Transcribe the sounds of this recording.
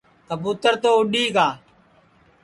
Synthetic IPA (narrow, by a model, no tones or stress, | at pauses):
t̪əbuːt̪əɾt̪oːʊɗiːɡaː